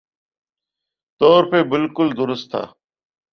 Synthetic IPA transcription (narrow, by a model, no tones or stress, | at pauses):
t̪oːɾpeːbɪlkʊld̪ʊɾʊst̪ʰːa̰ː